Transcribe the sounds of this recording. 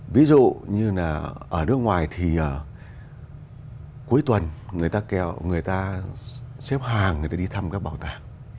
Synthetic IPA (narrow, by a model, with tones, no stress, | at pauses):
vi˨˦zṵ˧˨ɲɨ˧laː˨˩ʔəː˧˩nɨ˦˥ək̚ŋwaː˨˩jt̪ʰi˨˩ʔəː˨˩ | ku˨˦əjt̪wə˨˩nŋɨ˨˩əjt̪aː˧kɛ˧˩˨wŋɨ˨˩əjt̪aː˧ | sɛ˦˥p̚haː˨˩ŋŋɨ˨˩t̪aː˧i˧t̪ʰa˧mkaː˦˥k̚ɓaː˨˩wt̪aː˨˩